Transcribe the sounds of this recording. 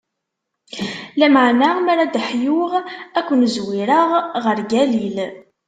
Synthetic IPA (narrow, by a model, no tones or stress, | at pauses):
læməʕnamæɾad̪əħjʊʁækʷːənzwiɾəʁʁəɾɡælil